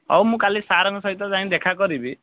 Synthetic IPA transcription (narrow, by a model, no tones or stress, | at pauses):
ɔ̰wmũkalisaɾɔŋɡɔsɔɦit̪ɔzaĩd̪ekʰakɔɾibi